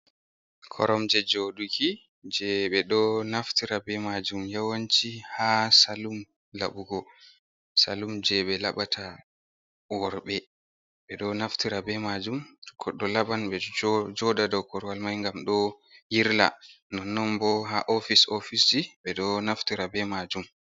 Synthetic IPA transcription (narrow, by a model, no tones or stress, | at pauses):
kʰɔ̰ɾɔmd͡ʒɛd͡ʒoɗukʰi | d͡ʒɛɓɛɗɔnaftiɾabɛmad͡ʒumjawant͡ʃihasalum | la̰ɓuɡɔ | salumd͡ʒɛɓɛlaɓatʰa | wɔɾɓɛ | ɓɛɗɔnaftiɾabɛmad͡ʒumkʰɔɗɔlabanɓɛd͡ʒɔdadɔwkɔɾwalmajŋɡamɗɔ | jiɾla̰ | nɔnːɔmbɔɦaʔɔfisofisiɓɛɗɔnaftiɾabɛmad͡ʒum